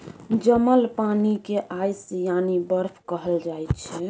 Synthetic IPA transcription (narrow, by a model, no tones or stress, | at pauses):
d͡ʒəməlpanikeʔajsjanibəɾpʰkəɦəld͡ʒajt̪t͡ʃʰɛ